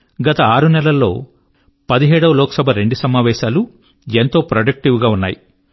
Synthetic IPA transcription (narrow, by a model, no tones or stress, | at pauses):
ɡɐt̪ɐaːɾunɛlɐlːo̞ː | pɐd̪iɦɛːɽɐʋɐloːkɐ̥sɐbʱɐɾe̞ɳɖusɐmaːʋɛːʃaːlu | ent̪o̞ːpɾɐɖɐk̚ʈiʋɡaːunːa̰ːji